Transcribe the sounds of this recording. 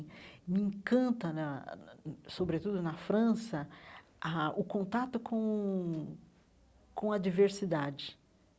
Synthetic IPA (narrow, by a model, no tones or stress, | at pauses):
mɪẽkɐ̃nt̪ɐnɐ | sobɾet̪ud̪ʊnɐfɾɐ̃sɐ | aʊkõnt̪at̪ʊkõ | kõɐd͡ʒiveɾsid̪ad͡ʒɪ